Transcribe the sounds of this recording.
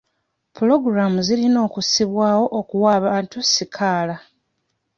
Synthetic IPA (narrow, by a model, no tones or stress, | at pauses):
pulo̞ɡuɾamuzilino̞ːkusiβwaːwo̞ʔokuwaːβaːntusikʰaːla